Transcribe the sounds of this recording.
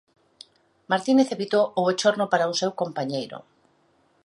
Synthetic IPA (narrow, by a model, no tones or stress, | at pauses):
maɾt̪ineθeβit̪oʔoet͡ʃoɾnopaɾaʊsɛwkompaɲejɾʊ̰